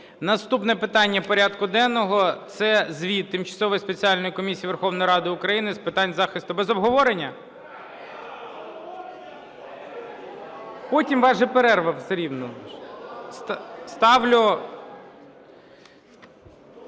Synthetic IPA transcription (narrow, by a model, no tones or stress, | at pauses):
nɐst̪upnɛpɪt̪ɑnʲːɐpɔɾʲɑd̪kʊd̪ɛnːɔɦɔt̪sɛzʲʋʲit̪ːɪmt͡ʃɐ̥sɔʋɔjspet͡sʲialʲnɔjikɔmʲisʲijːʋerxɔwnɔjɾɑd̪ɪʊkɾɐjinɪspɪt̪ɑnʲzɑxɪst̪ʊbɛzɔbɦɔʋɔɾenʲːɐ | pɔtʲimʋɑʒɛpeɾɛrʋɐwsɾʲiwnɔ | st̪st̪ɑʋlʲʊ